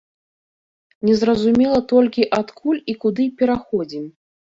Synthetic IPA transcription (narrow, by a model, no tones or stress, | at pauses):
nʲɛzɾɐzumʲɛlˠɐt̪ɔlʲkʲiʔat̪kʰulʲikud̪ɨpʲɛɾaxɔd͡zʲim